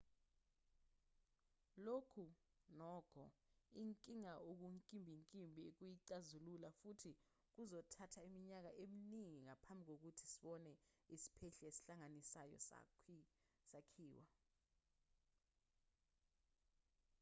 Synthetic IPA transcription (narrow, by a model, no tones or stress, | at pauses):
lokʰu | nɔːɡ̥ʰʱɔ̰iŋkʼiŋaok̬uŋkʼimbʱiŋkʼimbʱiek̬ujiǀazululafutʰi | k̬uzɔtʰatʰaimiɲak̬aʔeminiŋiŋapʰambʱik̬ok̬utʰi̥si̥ɓɔnɛisi̥pʰɛɬɛesi̥ɬaŋanisajɔ̰ | sakʰiːwa